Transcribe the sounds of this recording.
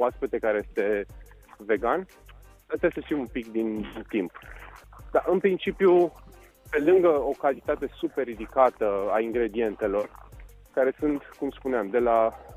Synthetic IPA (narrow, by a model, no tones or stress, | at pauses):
oaspet̪ekaɾeje̞st̪e̞ | ve̞ɡan | set̪esəʃt̪imumpikd̪int̪imp | d̪̥aʔɨnpɾint͡ʃipju | pe̞lɨŋɡəo̞kalt̪it̪at̪e̞superid̪ikat̪əaiŋɡɾe̞d̪ie̞nt̪e̞lo̞r | kaɾe̞sunt̪kumspuneamd̪e̞la